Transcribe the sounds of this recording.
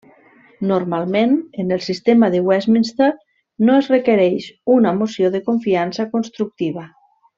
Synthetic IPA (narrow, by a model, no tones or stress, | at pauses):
noɾmalˠmenenelˠsist̪emaðewɛzminst̪ar | noezrekeɾɛjʃunamosjoðekoɱfiansakonst̪ɾuk̚t̪iβ̞a